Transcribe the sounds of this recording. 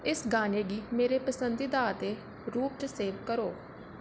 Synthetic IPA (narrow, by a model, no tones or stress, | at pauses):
ɪsɡaːneːɡiːmeːɾeːpəsənd̪iːd̪aːət̪eː | ɾuːp̚t͡ʃseːʋkəɾoː